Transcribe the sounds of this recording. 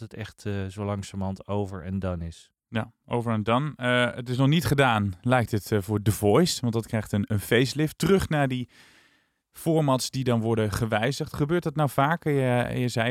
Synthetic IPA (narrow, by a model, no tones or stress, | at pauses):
ətɛχtzowlɑŋsamɑntowvəɹɛ̰ndɑnɪs | jaʔowvəɹɛndɑnəətɪs̬nɔχnitχədaːnlɛjk̚tətvʊːɹdəvɔjstʋɑntdɑtkrɛjχtənənfejstlɪftərɵχnaːɹdi | v̥ʊːɹmɑtsdidɑnʋɔɹdənχəʋɛjzəχtχəbøːɹtdɑtnawvaːkəj̰jəzɛj